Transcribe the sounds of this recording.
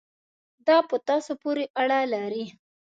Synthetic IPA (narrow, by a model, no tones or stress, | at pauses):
d̪ɑpət̪ɑsopoɾeʔaɽalaɾi